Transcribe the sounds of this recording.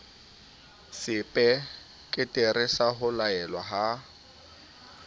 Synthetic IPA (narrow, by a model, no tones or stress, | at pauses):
sɪpʼɛ | kʼɪtʼerɪsaɦʊlaɛlwaɦa